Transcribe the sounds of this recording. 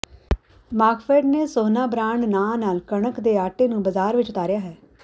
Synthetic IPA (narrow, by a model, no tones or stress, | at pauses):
maːkfeːɖneːsoːnaːbɾaːɳnãːnaːlkəɳəkd̪eːaːʈeːnũːbəzaːɾʋɪt͡ʃt̪aːɾɪjaːɦɛː